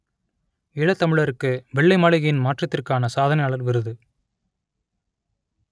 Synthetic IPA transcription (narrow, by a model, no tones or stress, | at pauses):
ɪɭɐt̪ːɐmɪɭɐɾɯkːɯʋɛɭːɐɪmaːɭɪɣɐjɪnmaːʈrɐt̪ːɪrkaːnɐsaːðɐnɐɪjaːɭɐɾʋɪɾɯðɯ